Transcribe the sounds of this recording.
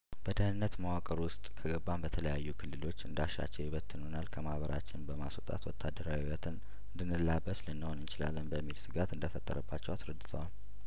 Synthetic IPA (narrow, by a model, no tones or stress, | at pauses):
b̥əd̪əhnɨnːət̪mawakʼəɾwʊst̪ʼkʰəɡəbːambət̪ʰələjajːukʰɨlːɨlo̞t͡ʃːɨnd̪aʃa̰t͡ʃːɛjɪβət̪ʰːɨnhonalkʰəmahβəɾʔa̰t͡ʃːɪnbəmasot̪ʼa̰t̪wɔt̪ʰːad̪əɾawiwət̪ʰɨn | ɨnd̪ɨnːɨlːabːəslɨnːəhonɨnt͡ʃɪla̰lːənbəmːilsɨɡat̪ɨnd̪əfət̪ʼːə̰ɾəbːat͡ʃːɛwasɾəd̪ːɨt̪ʰəwal